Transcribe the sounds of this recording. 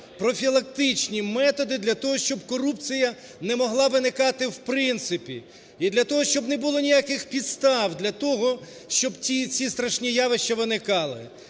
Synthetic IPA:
pɾɔfʲilˠɐk̚t̪ɪt͡ʃnʲimɛt̪ɔd̪ɪd̪lʲɐt̪ɔɦɔʃt͡ʃɔbkɔɾupt͡sʲijɐ | nɛmɔɦlˠɑʋɪnɪkɑt̪ɪwpɾɪnt̪sɪpʲḭ | id̪lʲɐt̪ɔɦɔʃt͡ʃɔbnɛbʊlˠɔnʲijakɪxpʲid̪st̪ɑwd̪lʲɐt̪ɔɦɔ | ʃt͡ʃɔbt͡sʲit͡sʲist̪ɾɐʃnʲijaʋɪʃt͡ʃɐʋɪnɪkɑlˠɪ

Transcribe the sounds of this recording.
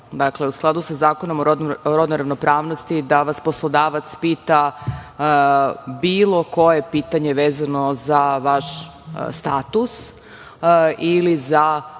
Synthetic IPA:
d̪akle̞usklˠad̪usazaːkonomooɾod̪noɾaʋnopɾaːʋnost̪id̪aʋaspo̞slˠod̪aːʋat̪spiːt̪a | biːlˠo̞ko̞je̞piːt̪aɲe̞ʋeːzano̞zaʋaʃ | st̪aːt̪us | iliza

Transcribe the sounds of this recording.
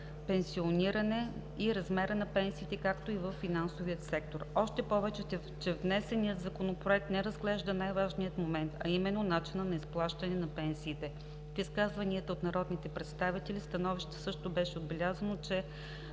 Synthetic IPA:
pɛnsioniɾɐnɛ | iɾɐzmɛɾənɐpɛnsiːt̪ɛkakt̪oivəfːinansoviət̪sɛk̚t̪oɾɔʃt̪ɛpɔvɛt͡ʃɛ | t͡ʃɛvnɛsɛniət̪zɐkonopɾoɛk̚t̪nɛɾəzɡlɛʒd̪ənajvaʒnijət̪momɛnt̪ɐimɛnːonat͡ʃinənɐisplˠaʃt̪ɐnɛnɐpɛnsiːt̪ɛ | fiskazvɐniət̪əot̪nɐɾɔd̪nit̪ɛpɾɛt̪st̪avit̪ɛlist̪ɐnɔviʃt̪ə̥sɤʃt̪obɛʃɛod̪̚bɛlʲazɐnot͡ʃɛ

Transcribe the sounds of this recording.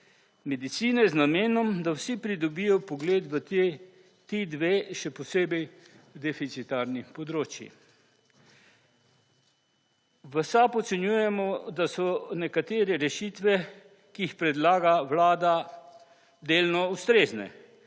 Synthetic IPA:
mɛd̪it̪siːnɛznameːnɔmd̪awsipɾid̪ɔbijɔpɔɡleːd̪ʋə | t̪id̪ʋeːʃɛpɔseːbɛj | d̪ɛfit̪sit̪aɾnipɔd̪ɾoːt͡ʃjḭ | ʋəsapɔt̪sɛnjuːjɛmɔd̪asɔnɛkat̪eːɾɛɾɛʃiːt̪ʋɛ | kiːxpɾɛd̪laːɡawlaːd̪a | d̪eːlnɔust̪ɾeːznɛ̰

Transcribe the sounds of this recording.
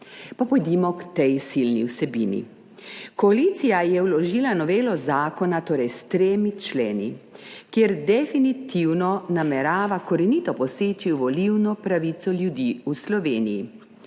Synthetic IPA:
papɔjd̪imɔkt̪ɛjsilniwsɛbḭnḭ | kɔalit̪sijajɛwlɔʒiːlanɔʋeːlɔzaːkɔnat̪oːɾɛjst̪ɾeːmit͡ʃleːnḭkjeːɾd̪ɛfinit̪iwnɔnamɛɾaːʋakɔɾɛnit̪ɔpɔseːt͡ʃiʋɔliwnɔpɾaʋit̪sɔljud̪iuslɔʋeːnijḭ

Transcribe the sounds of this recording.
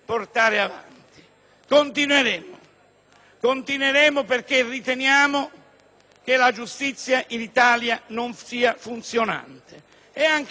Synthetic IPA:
port̪aːɾɪava̰nt̪i̥ | kont̪inweɾɛːmʊ | kont̪inweɾɛːmʊperkerːit̪ɛnjaːmʊ | k̟elad͡ʒust̪it̪sːjaʔinit̪aːljanonsiːafunt̪sjona̰nt̪ɪ | ɛaŋk

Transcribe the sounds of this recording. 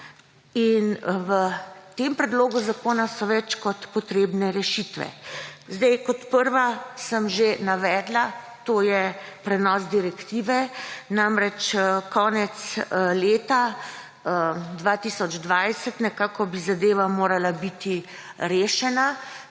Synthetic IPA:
inʋət̪empɾɛd̪loːɡuzakoːnasɔʋɛt͡ʃkɔt̪pɔt̪ɾeːbnɛɾɛʃit̪ʋɛ̰zd̪ɛjkɔt̪pəɾʋasəmʒenaʋɛːd̪la | t̪oːjɛpɾɛnɔːs̬d̪iɾɛkt̪iːʋɛnamɾɛt͡ʃkɔːnɛt̪sleːt̪a | d̪ʋaːt̪iːsɔd͡ʒd̪ʋajsɛt̪nɛkaːkɔbizad̪eːʋamoːɾalabit̪i | ɾeːʃɛna

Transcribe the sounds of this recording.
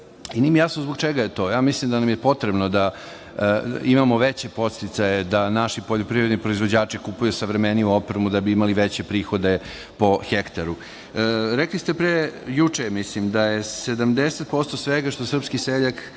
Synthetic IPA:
inimijasnozboɡt͡ʃeɡajet̪o̞ːjaːmislimd̪anamjepo̞t̪ɾebno̞d̪a | imamo̞ʋet͡ɕe̞po̞t̪st̪it̪sajed̪anaʃipoʎopɾiɾe̞d̪nipɾo̞izʋo̞d͡ʑaːt͡ʃikupujusaʋɾemeniuo̞pɾemud̪abiimaliʋet͡ɕe̞pɾiːxo̞d̪e̞ | po̞xekt̪aɾu | ɾeklist̪epɾejut͡ʂemislimd̪ajesed̪amd̪eset̪̚po̞st̪osʋeɡaʃt̪osr̩pskiseʎak

